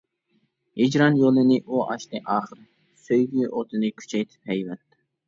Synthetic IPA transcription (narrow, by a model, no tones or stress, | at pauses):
hid͡ʒɾɑnjolˠɨnɪʔuʔɑʃt̪ɨʔɑːχəɾ | søjɡʲyʔot̪ʰɨnɨkʲʰy̥t͡ʃʰɛjt̪ʰɪ̥phɛjvɛt̪ː